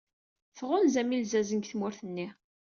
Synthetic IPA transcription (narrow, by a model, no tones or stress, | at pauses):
θʁʊnzæmilzæzəŋɡθmʊɾθənːi